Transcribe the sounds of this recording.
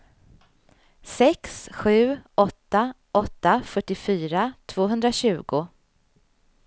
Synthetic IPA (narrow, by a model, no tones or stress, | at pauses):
sɛksɧʉ̟ːʔɔt̪ːa | ʔɔt̪ːafœʈːɪfyːɾat̪ʰv̥oːɦɵnd̪ɾaɕʉ̟ːɡʊ